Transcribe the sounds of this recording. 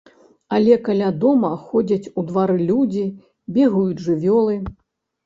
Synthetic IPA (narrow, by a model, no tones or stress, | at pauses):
ɐlʲɛkalʲad̪ɔmɐxɔd͡zʲɐt͡sʲud̪vaɾɨlʲud͡zʲi | bʲɛɣujud͡zʲʐɨvʲɔlˠɨ